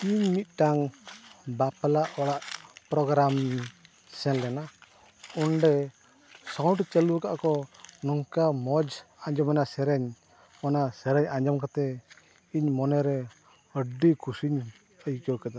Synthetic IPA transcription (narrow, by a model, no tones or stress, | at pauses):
iɲmit̪̚ˀʈaŋ | bapalaʔɔɽaʔpɾɔɡɾam | sɛnlɛna | ɔnɖɛ | sɔwʈt͡ʃɛluka̰ʔkɔnɔŋkamɔd͡ʒaɲd͡ʒɔmɛnasɛɾɛɲ | ɔnasɛɾɛɲaɲd͡ʒɔmkat̪ɛ | iɲmɔnɛɾɛ | əɖikusiɲ | əjkɔwkad̪a